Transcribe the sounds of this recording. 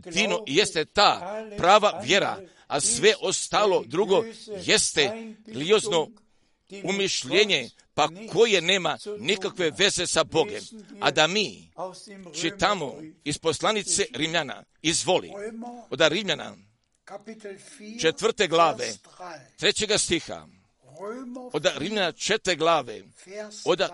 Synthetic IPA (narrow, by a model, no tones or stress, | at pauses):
d̪inoje̞st̪e̞t̪aːpɾaːʋaʋje̞ɾa̰ | asʋe̞ʔo̞st̪aːlo̞d̪ɾuɡo̞je̞st̪eɡliozno̞ | umiʃʎeːɲe̞ | pakʰo̞je̞ne̞ːmanikakʋe̞ʋe̞ze̞sabo̞ɡe̞̰ma̰d̪amiː | t͡ʃit̪amoispo̞slˠanit̪seɾimʎana̰ | izʋo̞lḭod̪aɾimʎana̰ | t͡ʃet̪ʋr̩t̪e̞ɡlaːʋe | t̪ɾe̞t͡ɕe̞ɡast̪ixa̰ | od̪aɾimʎanat͡ʃet̪eɡlaːʋe̞̰ | od̪a